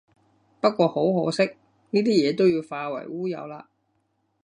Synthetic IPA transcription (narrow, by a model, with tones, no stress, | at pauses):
pɐ˥t̚kʷɔː˧ho˨˥wɦo˨˥wsɪ˥k̚ | niː˥t̪iː˥jɛː˨˧t̪o˥wjiː˨˧wfaː˧wɐ̰˨˩jwuː˥jɐ̰˨˧wlaː˧